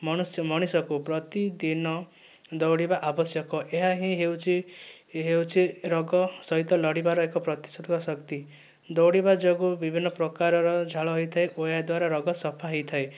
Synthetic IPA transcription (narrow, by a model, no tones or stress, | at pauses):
mɔñusmɔɽ̃isɔkupɾɔt̪id̪inɔ | d̪ɔwɽibaʔabɔsjɔkɔʔeɦaɦĩɦewt͡ʃʰi | ɦewt͡ʃʰiɾɔɡɔsɔɦit̪ɔlɔɽibaɾɔekɔpɾɔt̪i̥sɔd̪kɔsʌkt̪i | d̪ɔwɽibad͡ʒɔɡubibʱinːɔpɾɔkaɾɔɾɔd͡ʒʱaɭɔɦɔjt̪ʰaeʔojad̪waɾaɾɔɡɔsɔpʰaɦɔjt̪ʰae